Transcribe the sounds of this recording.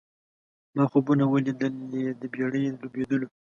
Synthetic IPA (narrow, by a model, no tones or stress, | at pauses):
mɑxobunawəlid̪əled̪əbjɑɽəjd̪lobed̪əlo